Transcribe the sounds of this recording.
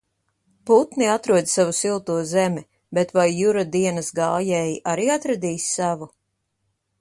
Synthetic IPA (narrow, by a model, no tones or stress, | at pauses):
put̪niat̪ɾuɔd̪ʲsavusilˠt̪uɔzɛmʲi | bet̪vajːuɾad̪iɛnɐsɡaːjɛjʔaɾiːat̪ɾad̪iːssavu